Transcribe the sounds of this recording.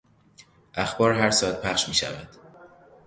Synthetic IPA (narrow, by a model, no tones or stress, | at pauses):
ʔæxbɒːɾɦæɾsɔːæt̪̚pʰæχʃmiːʃæ̰væd̪̥